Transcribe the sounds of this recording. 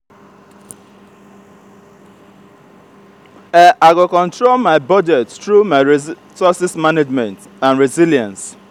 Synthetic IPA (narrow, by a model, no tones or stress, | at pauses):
ɛʔaɡokɔ̃ntɹolmaɪbɔd͡ʒɛttɹumaɪ | sɔsismaned͡ʒmɛ̃nt | ãnɹiziljãns